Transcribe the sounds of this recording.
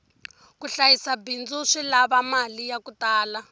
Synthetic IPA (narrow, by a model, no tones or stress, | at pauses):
kuɬajisabind͡zuʂilaβamalijakutaːla